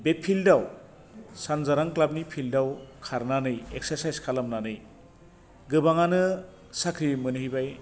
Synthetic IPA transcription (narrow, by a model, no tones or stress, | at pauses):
bepʰildaw | sanzaɾaŋklab̚nipʰildawkʰaɾnanɯjek̚seɾsajskʰalamnanɯj | ɡɯbaŋanɯ | sakʰɾimɯnɯɦibaj